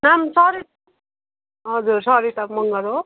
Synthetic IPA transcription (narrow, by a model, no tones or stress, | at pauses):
namsʌɾi | ɦʌd͡zuɾsʌɾiʈʌpmʌŋɡʌɾo